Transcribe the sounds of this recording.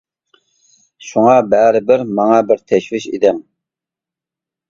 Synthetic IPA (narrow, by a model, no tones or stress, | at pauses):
ʃuŋɑbæːɾɪbɪɾmɑŋɑbɪɾt̪ʰɛʃvɪʃḭd̪ɛm